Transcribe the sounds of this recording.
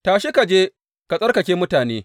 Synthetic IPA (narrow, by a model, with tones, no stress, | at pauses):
taː˨ʃɪ˦ka˨d͡ʒeː˦ | ka˨sʼɐ˦rkɐ˨kʲeː˦mʊ˦taː˨neː˦